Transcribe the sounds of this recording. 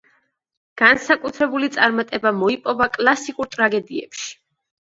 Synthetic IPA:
ɡ̥ansakʼut̪ʰɾɛbulit̪sʼaɾmat̪ʼɛbamɔipʼɔvakʼlˠasikʼuɾt̪ʼɾaɡɛd̪iɛ̰pʃi̥

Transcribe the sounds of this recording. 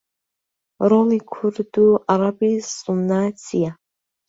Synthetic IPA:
rolikʷʰurd̪uaɾabisʼunaːt͡sʰija

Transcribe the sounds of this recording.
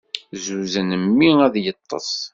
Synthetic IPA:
zuzənəmːiæðjət̪ˤːɑ̰sˤ

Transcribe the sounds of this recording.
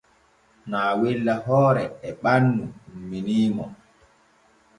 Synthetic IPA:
naːwilːaɦɔːɾɛɛɓanːumːiniːmɔ

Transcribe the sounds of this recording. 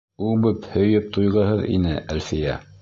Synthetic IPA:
ubɵphɵ̆jɵp̚t̪ʰujʁɤ̆ɦɤðḭnɘʔælfijæ

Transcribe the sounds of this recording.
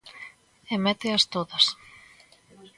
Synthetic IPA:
emɛt̪eɐst̪oðɐs

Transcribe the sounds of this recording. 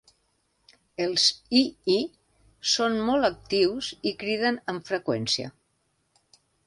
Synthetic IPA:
əlˠzii | sonmɔlˠək̚t̪iwzikɾið̞ənəɱfɾəkwɛnsiə̰

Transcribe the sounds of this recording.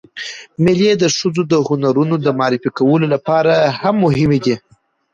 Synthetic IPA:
mɪljed̪əʂəzod̪əhʊnaɾunod̪əmɑɾɪfikawəlolapɑɾahamːʊɦhɪmed̪i

